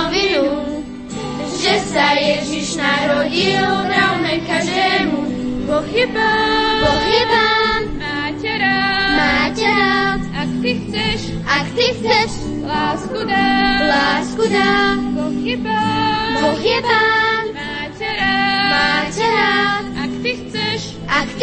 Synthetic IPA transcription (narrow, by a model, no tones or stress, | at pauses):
vinu | ʒɛsajɛʒiʃnaɾɔɟiɔɾawmɛkaʒd̪ɛːmu | x | pɔxiba | maːcɛa | ʃ | ʔakt̪ixt͡sɛʃ | laːskud̪a | pɔxiba | maːcɛɾa | xt͡sʃ | ʔak̪